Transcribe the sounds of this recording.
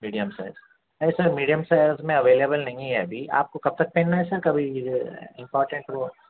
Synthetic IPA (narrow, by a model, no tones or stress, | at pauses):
miːɖijə̃msaɪlz | ɐisɐɾmiːɖijəmsaɪlzmẽɐʋeːlebəlnɐ̃ɦĩiɦɛ̰bʱiʔa̰ːp̚kokɐb̚t̪ɐk̚pẽːnnaɦɛsɐɾkɐbʱi | ɪ̃mpɔːɾʈə̃ɳʈʋo